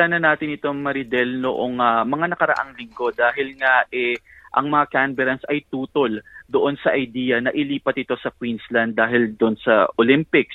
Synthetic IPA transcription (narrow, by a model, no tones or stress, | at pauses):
aːnɐnːaːt̪ɪnɪt̪o̞ŋmɐɾɪd̪ɛlnoʔoŋamɐŋanɐkɐɾɐ̰ʔa̰ŋlɪŋɡo̞d̪aːɦɪlŋaʔɛ | ʔɐ̰ŋmɐŋakanbɛɾɐnsʔɐjt̪uːt̪o̞ld̪oʔo̞nsɐʔɐjd̪iːjɐnɐʔɪliːpɐt̪̚ɪt̪o̞sɐkwinslɐnd̪ːaːɦɪld̪onsɐ̰ʔolɪmpɪk̚s